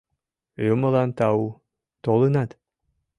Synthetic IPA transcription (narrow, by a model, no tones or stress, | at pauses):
jomɤ̆lˠɑnt̪ɑu | t̪olˠɤnɑt̪